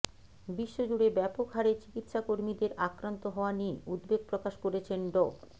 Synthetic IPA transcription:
biʃːod͡ʑuɽebɛpokɦaɾet͡ɕi̥kit̪ʃakoɾmid̪eɾakɾant̪oɦɔoanieʔud̪beɡ̚pɾokaʃkoɾet͡ɕʰenɖo

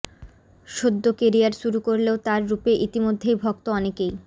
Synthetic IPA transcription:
ʃod̪ːokeɾiaɾʃuɾukoɾleot̪aɾːupeʔit̪imod̪ʱːejbʱɔkt̪oɔnekej

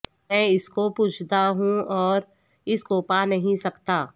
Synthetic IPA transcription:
ɛ̃ːɪskopuːt͡ʃʰt̪aɦũɔːɾ | ɪskoːpanɐɦĩsɐkt̪aː

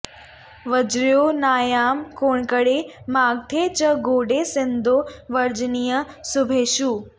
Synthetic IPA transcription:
ʋɐd͡ʑɾijonaːjaːmkoːɳ̃kəɽemaːɡ̚t̪ʰeːt͡ɕɐɡoːɖesɪ̃nd̪ʱoʋɐɾd͡ʑnijə | sʊbʱeːʃuː

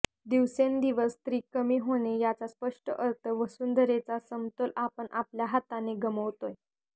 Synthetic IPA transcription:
d̪iʋsend̪iʋəst̪ɾiːkəmiːɦoɽ̃ejat͡saspəʂʈəʔəɾt̪ʰəʋəsund̪əɾet͡sasəmt̪olʔapəɳʔapljaɦat̪aneɡəməʋt̪oj

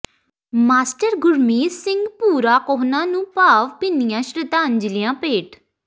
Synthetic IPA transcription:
maːsʈəɾɡʊɾmiːsɪŋɡpuːɾaːkɔːɦnãːnũːpaːʋpiːnijãːʃɾəd̪aːnd͡ʒɪlɪjãːpeːʈ

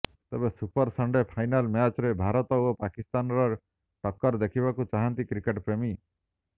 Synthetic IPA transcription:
t̪ebesupɔɾsaɳɖepʰajnalmjat͡ʃɾebʱaɾɔt̪ɔopakist̪anɾɔ | ʈɔkːɔɾd̪ekʰibakut͡ʃaɦant̪ikɾikeʈpɾemi

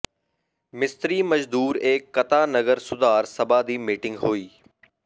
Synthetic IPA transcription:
mɪst̪ɾiːmɐd͡ʒd̪uːɾeːkːɐt̪aːnɐɡəɾsʊd̪aːɾsɐbaːd̪iːmiːʈɪ̃ŋɡɦoːiː

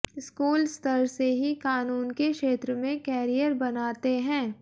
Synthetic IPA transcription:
ɪskuːlst̪əɾseɦikaːnuːnkekʃeːt̪ɾəmẽkɛːɾijəɾbɐnaːt̪eɦɛ̃ː

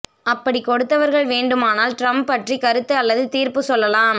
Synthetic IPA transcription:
ɐpːɐɽikɔɽɯt̪ːɐʋɐɾɣɐɭʋeːɳɖɯmaːnaːlʈɾɐmpɐʈrikɐɾɯt̪ːɯɐlːɐðɯt̪iːɾpɯsɔlːɐlaːm

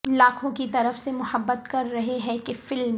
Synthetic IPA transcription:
laːkʰõkit̪ɐɾəfsemʊhəbːət̪kɐɾːɐɦeɦɛ̃kefɪlm

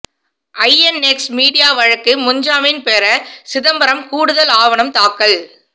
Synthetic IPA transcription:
ʔɐɪɛnɛksmiːɽɪjaːʋɐɻɐkːɯmʊɲd͡ʒaːmɪnpeːɾɐsɪðɐmbɐɾɐmkuːɽɯðɐlaːʋɐɳɐmt̪aːkːɐɭ

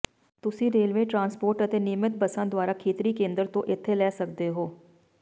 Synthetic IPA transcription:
t̪ʊsĩːɾeːlʋẽːʈɾãːnspoːɾʈət̪eːnɪmɪt̪̚bəsə̃ːd̪ʊaːɾaːkʰeːt̪ɾiːkẽːnd̪əɾt̪õːʔɪt̪ʰːeːlɛːsək̚d̪eːɦoː

